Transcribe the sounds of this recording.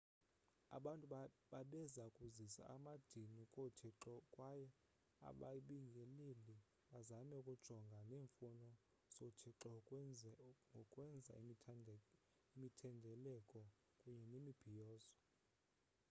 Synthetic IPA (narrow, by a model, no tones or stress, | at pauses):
a̰ɓantʼuɓaɓɛzakʼuzisa̰amad̥ʱinikʼotʰiǁɔkʼwajɛ | a̰ɓa̰ɓiŋɡʱɛleli | ɓazamɛkʼud̥ʒ̥ʱɔŋɡʱaneːɱfunɔ | z̥otʰiǁɔkʼ | ŋɡʱɔkʼwɛnd͡zʱa̰ | imitʰɛndʱɛlɛkʼɔ | kʼuɲɛnemib̥ʱijɔːzɔ